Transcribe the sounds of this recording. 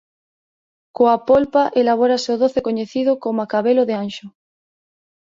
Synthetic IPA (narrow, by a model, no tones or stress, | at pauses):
koapolpaʔelaβ̞oɾaseoðoθekoɲeθiðokomakaβeloðeanʃo